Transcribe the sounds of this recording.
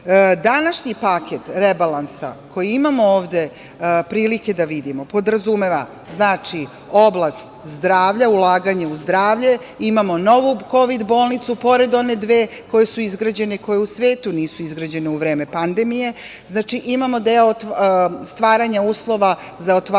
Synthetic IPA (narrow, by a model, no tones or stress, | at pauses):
d̪anaʃɲipakʰet̪ɾebalansa̰kʰo̞jiimamooːʋd̪e̞ | pɾiːlike̞d̪aʋid̪imo̞po̞d̪ɾazume̞ʋa̰ | znaːt͡ʃi | o̞blˠast̪zd̪ɾaːʋʎaulˠaːɡaɲauzd̪ɾaːʋʎe̞ | imamo̞no̞ʋuko̞ʋid̪bo̞ːlˠnit̪supo̞ɾe̞d̪o̞ne̞d̪ʋeː | ko̞je̞suizɡɾad͡ʑe̞neko̞jeusʋe̞ːt̪uniːsuizɡɾad͡ʑe̞ne̞uʋɾeːme̞pand̪e̞mije̞ | znaːt͡ʃiʔimamo̞d̪eot̪st̪ʋaːɾaɲauːslˠo̞ʋa | zaot̪ʋ